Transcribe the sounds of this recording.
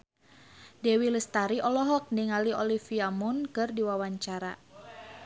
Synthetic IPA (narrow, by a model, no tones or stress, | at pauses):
dɛwiləst̪aɾiʔɔlɔɦɔk̚niŋaliɔlifiamunkɨrdiwawaɲt͡ʃaɾa̰